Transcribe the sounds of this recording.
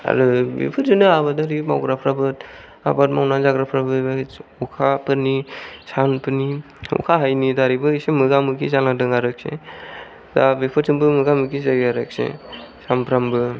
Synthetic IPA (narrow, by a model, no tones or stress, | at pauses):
a̰ɾɯbḛpʰɯtzɯnɯabadaɾima̰wɡɾapʰɾabɯt̚ | a̰bat̚mawnanzaɡɾapʰɾabɯbaukʰapɯɾnisanpʰɯni | ṵkʰaɦajnidaɾibɯɯsemɯɡamɯɡizanadɯŋaɾɯk̚sḛ | dabepʰɯtzɯnbɯmɯɡamɯɡizaɡaɾɯk̚sḛsampʰɾambɯ